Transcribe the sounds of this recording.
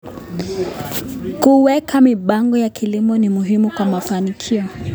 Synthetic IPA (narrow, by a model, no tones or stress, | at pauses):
kuwɛkamiɓaŋɡɔjakʰilimɔnimuɦimukwamafanikʰiɔ